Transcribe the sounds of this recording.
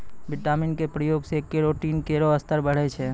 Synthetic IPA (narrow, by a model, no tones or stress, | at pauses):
bɪʈaːmɪnkepɾəjoːɡsekːeɾoːʈiːnkeːɾoɐst̪əɾbəɽ̤et͡ʃʰɛ